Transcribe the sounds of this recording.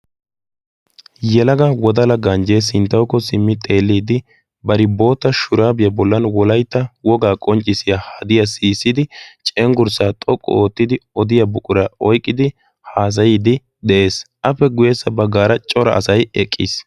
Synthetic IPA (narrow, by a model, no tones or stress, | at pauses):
jɛlɐɡɐwɔd̪ɐlɐɡɐnd͡ʒeːs̬ɪnt̪ːɐwkːɔsɪmːɪt̪ʼe̞ːlːiːd̪ɪ | bɐɾɪbo̞ːt̪ːɐʃʊɾaːbɪjɐbɔlːɐnwɔlɐjt̪ːɐwɔɡaːkʼɔnt͡ʃʼːɪsɪjahɐd̪ɪjasiːsːɪd̪ɪt͡ʃʼɛŋɡʊɾsaːt̪ʼɔkʼːɔ̰oːt̪ːɪd̪ɪɔd̪ɪjabʊkʼʊɾaʔɔjkʼːɪd̪ɪ | haːs̬ɐjiːd̪ɪ | d̪ɛʔe̞ːsʔɐfɛɡʊjɛsːɐbɐɡaːɾɐt͡ʃʼɔɾɐ̰ʔɐ̰sɐjɛkʼːɪs